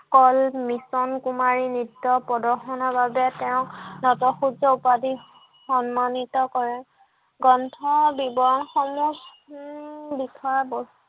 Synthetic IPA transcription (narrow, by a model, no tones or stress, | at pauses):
kɔlmisɔnkumaɹinidːɔpɹɔdɔɹxɔnɔbabɛtɛʊ̃nɔtɔxud͡ʒɔupadi | xɔnmanitɔkɔɹɛ | ɡɔntʰɔbibɔɹɔnxɔmu | bikʰɔabɔs